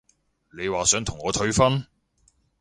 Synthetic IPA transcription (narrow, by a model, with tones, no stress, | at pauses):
ne˨˧jwaː˨sœː˨˥ŋt̪ʰʊ˨˩ŋɔː˨˧t̪ʰɵ˧˥ɥfɐ˥n